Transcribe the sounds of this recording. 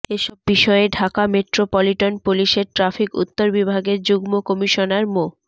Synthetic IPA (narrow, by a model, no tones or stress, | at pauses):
eʃɔbːiʃɔeɖʱakameʈɾopɔliʈonpoliʃeɾʈɾafikṵt̪ːoɾbibʱaɡeɾd͡ʑuɡmokɔmiʃonaɾmo